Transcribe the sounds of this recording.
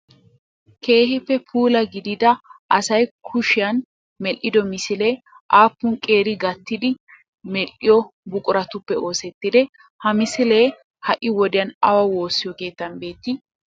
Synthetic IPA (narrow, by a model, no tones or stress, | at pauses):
ke̞ːhɪpːɛpʰuːlɐɡɪd̪ɪd̪ɐʔɐsɐjkʰʊʃɪjɐn | mɛlʔɪd̪ɔmɪsɪleː | ʔaːpːʊŋkʼe̞ːɾɪɡɐt̪ːɪd̪ɪ | mɛlʔɪjɔbʊkʼʊɾɐt̪ʊpːɛo̞ːsɛt̪ːɪd̪ɛ | hɐmɪsɪle̞ː | hɐʔɪwɔd̪ɪjɐnɐwɐwo̞ːsːɪjɔke̞ːt̪ːɐnbe̞ːt̪ːɪ